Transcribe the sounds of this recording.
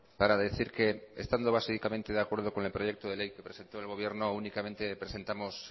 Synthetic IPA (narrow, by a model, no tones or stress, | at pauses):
paɾaðeθiɾkeest̪and̪oβ̞asikamẽnt̪e̞ðakwe̞ɾð̞oko̞ŋelpɾoʝek̚t̪oð̞e̞lejke̞pɾese̞nt̪oelɣ̞o̞β̞je̞ɾnounikamẽnt̪epɾese̞nt̪amos